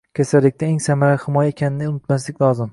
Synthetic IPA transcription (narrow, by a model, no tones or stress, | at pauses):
kʲʰasalːɪk̚ʲt̪aeŋsamaɾahɪmɒjaekʲʰanɪnɪʊnɪt̪maslɪkʲlˠɒzɪm